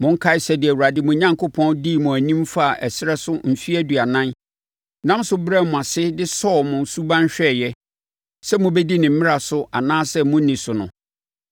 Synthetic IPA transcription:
mʊ̃˨ŋ̩˦kʰa˦ɪ˦sɛ˨dɪ˨æ˨wu˨ɾa˨dɪ˦mʊ̃˨ɲã˦ŋkʰo˦pʰɔ̃˦ndi˦˨mʊ̃˨æ˨nĩ˦mfa˦˨ʔɛ˨sɪ˦ɾɛ˦sʊ˦m̩˨fi˦æ˦du˨a˨nã˦n | nã˦msʊ˦bɾɛ˦mʊ̃˨a˨sɪ˦dɪ˦sɔː˦˨mʊ̃˨n˨su˦bã˦n˦ɕᶣɛ˦˨jɛ˦ | sɛ˦mʊ̃˨bɛ˦di˦nɪ̃˨m̩˦mɪ̃˦a˨sʊ˦ʔa˨nãː˦sɛ˦mʊ̃˦nĩ˨sʊ˨nʊ̰̃˨

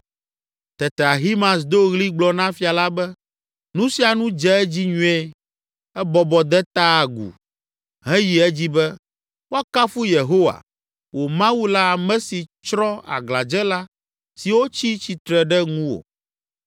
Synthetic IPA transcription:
t̪ɛ˨t̪ɛ˨a˨ɦi˦mã˨sd̪o˦ɣli˦ɡ͡blɔ˨nã˦fi˨a˨la˦bɛ˦ | nũ˦si˦a˨nũ˦d͡ʒɛ˦ɛ˦d͡ʑi˦ɲũ˦ɛ˦ | ɛ˦bɔ˨bɔ˨d̪ɛ˦t̪a˦a˨ɡṵ˨ | ɦɛ̃˦ji˨ɛ˦d͡ʑi˦bɛ˦ | wo˦a˦ka˦fu˦je˨ɦo˦wa̰˨ | wʔo˨mã˦wu˦la˦a˨mɛ̃˦si˨t͡ʃɾɔ̃˦a̰˨ɡla˨d͡ʒɛ˦la˦ | si˨wo˦t͡ɕi˦t͡ɕi˨t̪ɾɛ˨ɖɛ˦ŋũ˦wo̰˨

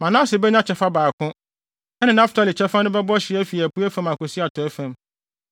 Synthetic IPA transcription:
mã˨nã˦sɪ˨bɛ˦ɲã˦t͡ɕʰɛ˨fa˦baː˨kʰʊ̃˦ | ɛ˦nɪ̃˨nã˦ftʰa˦lɪ˨t͡ɕʰɛ˦fa˦nʊ̃˦bɛ˦bɔ˦ɕɪ˨˦ɛ˦fi˨æ˨pu˦æ˦fã˦˨ma˨kʊ˨si˦a˨tʰɔ˨ɛ˦fã˨m

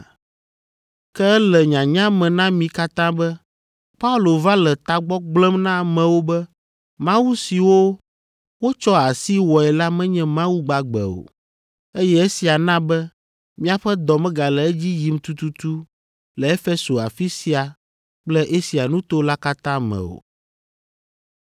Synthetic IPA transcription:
kɛ˦ɛ˦lɛ˨ɲã˨ɲã˦mɛ̃˨nã˦mĩ˨ka˦t̪ã˦bɛ˦ | pa˦u˦lo˨va˦lɛ˨t̪a˨ɡ͡bɔ˦ɡ͡blɛ˦mnã˦˨mɛ̃˨wo˦bɛ˦ | mã˦wu˦si˨wo˦ | wo˦t͡ʃɔ˦a˨si˦wɔ˨ɛ˨la˦mɛ̃˦ɲɛ̃˦mã˦wu˦ɡ͡ba˨ɡ͡bɛ̰˨o̰˨ | e˦jɛ˦e˦si˨a˨nã˦bɛ˦ | mĩ˦a˨ɸɛ˦d̪ɔ˨mɛ̃˦ɡa˨lɛ˨ɛ˦d͡ʑi˦ji˨mt̪u˦t̪u˦t̪u˦ | lɛ˨e˦fe˦so˨a̰˨fi˦si˦a˨ | k͡plɛ˦ʔe˦si˨a˨nũ˦t̪o˦la˦ka˦t̪ã˦mɛ̰̃˨o̰˨

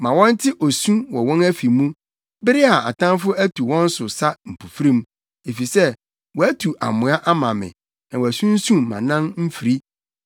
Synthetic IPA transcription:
mã˨wɔ̃˦n̩˦tʰɪ˦ʔo˨sũ˦wɔ˨wɔ̃˦næ˦fi˨mũ˦ | bɪ˦ɾɪ˦a˨a˨tʰã˦nfʊ˦æ˦tʰu˨wɔ̃˦n̩˦sʊ˨sa˦m̩˨pʰu˨fɾĩ˦m | e˨fi˨sɛ˦ | wɔ˨æ˦tʰu˨ʔa̰˨mʊ̃˨a˦ʔa˦mã˨mɪ̰̃˨ | nã˨wɔ˨æ˨sũ˦n̩˦sũ˦mã˨nã˦nm̩˦fi˨ɾi˦

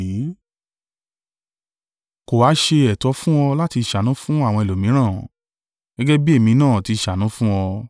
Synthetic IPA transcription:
i˨˦ | ko˨wa˨˦ʃe˧ɛ˨tɔ˨˧˦fũ˦ɔ˧la˦ti˧˨ʃa˨nũ˨˦fũ˦a˦˨wɔ̃˧i˨lo˨mĩ˨˦ɾ̃ãː˦˨ | ɡ̥ɛ˦ɡɛ˦bi˦e˦˨mĩ˧nãː˦˨ti˧˨ʃa˨nũ˨˦fũ˦ɔ˧

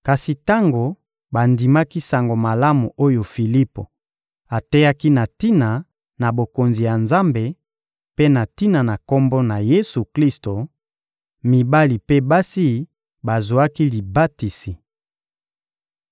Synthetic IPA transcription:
ka˨si˨ta˦ŋɡo˨ | ba˨ndi˨ma˦ki˦sa˨ŋɡo˨ma˨la˦mu˨ʔo˦jo˨fi˨li˦po˨ | a˨tɛ˦ja˦ki˦na˨ti˦na˨ | na˨bo˨ko˨nzi˨ja˨nza˦mbe˨ | pe˦na˨ti˦na˨na˨ko˦mbɔ˦na˨je˦su˨kli˦sto˨ | mi˨ba˦li˨pe˦ba˦si˦ | ba˨zo˨a˦ki˦li˨ba˦ti˨si˨

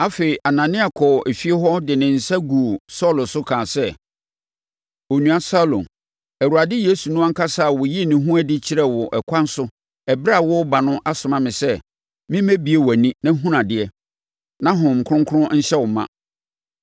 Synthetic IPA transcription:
a˦fe˨i˨ʔa˨nã˨nɪ̃˦a˨kʰɔ˨e˨fi˦e˦ɦɔ˦dɪ˨nɪ̃˨n̩˨sa˦ɡu˨o˨sɔ˦lʊ˨sʊ˦kʰãː˨sɛ˦ | o˨nũ˨a˨sa˦lõ̰˨n | æ˨ɾu˨a˨dɪ˦je˦su˨nʊ̃˦a˦ŋ̩˦kʰa˦sa˦˨wʊ˨ji˦˨nĩ˨ɦũ˦æ˦dɪ˦t͡ɕʰɪ˦ɾɛ˦wɔ˨ʔɛ˨kʷʰã˦n̩˦sʊ˦ | ɛ˨bɾa˦˨wʊ˦ba˨nʊ̃˦ʔa˦sʊ˨mã˦mɪ̃˨sɛ˦ | mɪ̃˦mæ̃˦bi˨e˦wæ˨nĩ˦nã˦ɦũ˦nã˨dɪ˨ɛ˦ | nã˦ɦʊ̃˨m̩˨kʰʊ˦ʊ̃˦ŋkʰʊ˦ɾʊ̃˦ɲ̩˦ɕɛ˦wʊ˨mã̰˦

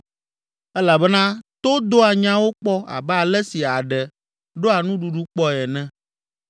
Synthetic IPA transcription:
ɛ˦la˨bɛ˦nã˦t̪o˦d̪o˦a˨ɲã˦wo˦k͡pɔ˦a̰˨bɛ˦a˨lɛ˦si˨a˨ɖɛ˨ | ɖo˦a˨nũ˦ɖu˨ɖu˦k͡pɔ˦ɛ˨nɛ̃˦

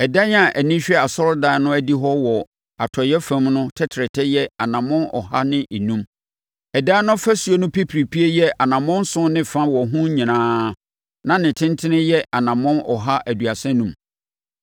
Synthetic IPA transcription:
ɛ˨da˦ɲ˦a˨ʔæ˨nĩ˦ɕᶣɛ˦a˨sɔ˦ɾdaː˨˦nʊ̃˦æ˦di˦ɦɔ˦wɔ˨ | a˨tʰɔ˨jɛ˦fæ̃˦mnʊ̃˦tʰɛ˦tʰɾɪ˨tʰɛ˦jɛ˦a˨nã˨mʊ̃˦nɔ̰˨ɦa˦nɪ̃˦ʔi˨nũ˦m | ɛ˨daː˦nʊ̃˦fæ˦su˨o˦nʊ̃˦pʰi˦pʰɾi˨pʰi˦e˦jɛ˦ʔa˨nã˨mʊ̃˦n˦sʊ̃˦nɪ̃˦fã˦wɔ˨ɦũ˦ɲĩ˨nãː˦ | nã˨nɪ̃˨tʰɪ̃˦ntʰɪ˦nɪ̃˦jɛ˦ʔa˨nã˨mʊ̃˦nɔ̰˨ɦa˦ʔæ˨du˨a˨sɛ̃˦nũ˦m

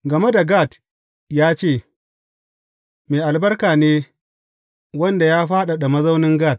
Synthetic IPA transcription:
ɡɐ˨me˦da˨ɡa˦˨t | jaː˦t͡ʃeː˦˨ | meː˨ʔa˨lbɐ˦rkaː˨neː˦ | wɐ˦nda˨jaː˦ɸaː˦ɗa˨ɗa˨mɐ˦zɐ˦wnɪ˦ŋɡaː˦˨t̚

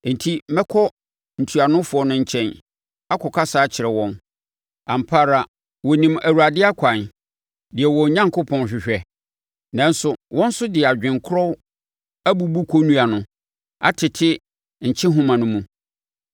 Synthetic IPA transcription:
n̩˨tʰi˦mɛ˦kʰɔ˦ | n̩˨tʰu˨a˨nʊ̃˦fʊ˨ɔ˦nʊ̃˦ɲ̩˨t͡ɕʰɛ̃˦n | a˦kʰɔ˨kʰa˦saː˦t͡ɕʰɪ˨ɾɛ˨wɔ̃˦n | ã˨m̩˨pʰa˦ɾa˨ | wɔ˨nĩ˨mæ˨wu˨a˨dɪ˦a˦kʷʰã˨n | dɪ˨ɛ˨wɔ̃˨ɲã˦ŋkʰʊ˦pʰɔ̃˨n˨ɕᶣɪ˨ɕᶣɛ˦ | nã˦n˦sʊ˨wɔ̃˦n̩˦sʊ˦dɪ˨ɛ˨a˨d͡ʑᶣɪ̃˨ŋkʰʊ˦ɾɔ˦w | æ˦bu˦bu˦kʰo˦nũ˦a˨nʊ̃˦ | a̰˦tʰɪ˨tʰɪ˦ | ɲ̩˨t͡ɕʰɪ̃˦ɦʊ̃˦mã˨nʊ̃˦mũ˨

